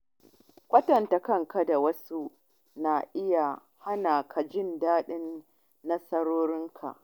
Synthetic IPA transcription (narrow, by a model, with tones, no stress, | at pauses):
kʷɐ˦tɐ˨nta˨kɐ˦ŋka˦da˨wɐ˦su˦ | na˨ʔɪ˦ja˨ | ha˦naː˨kʰa˨d͡ʒɪ˦ndaː˦ɗɪ˦nː | ɐ˦sɐ˦ɾoː˦ɾɪ˦ŋkʰa̰˨ʔ